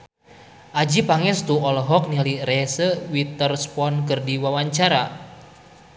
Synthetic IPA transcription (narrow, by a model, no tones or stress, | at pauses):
ʔad͡ʒipaŋɛst̪uɔlɦɔk̚niliɾɛsəwit̪ərspɔnkɨrdiwawaɲt͡ʃaɾa